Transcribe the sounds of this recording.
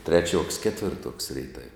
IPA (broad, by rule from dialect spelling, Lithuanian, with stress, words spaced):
ˈtʲrʲæːˌt͡ʃʲuɔks ˈkʲæːtʲʋʲɪrˌtuɔks ˈrʲɛɪtɐw